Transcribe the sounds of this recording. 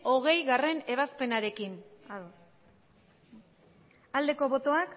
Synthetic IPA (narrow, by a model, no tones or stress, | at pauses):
o̞ɣ̞e̞jɣare̞ne̞β̞aspe̞naɾe̞kinað | ald̪e̞ko̞βo̞t̪o̞ak